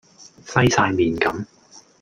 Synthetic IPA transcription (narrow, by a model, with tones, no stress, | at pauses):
sɐ˥jsaː˧jmiː˨nkɐ˨˥m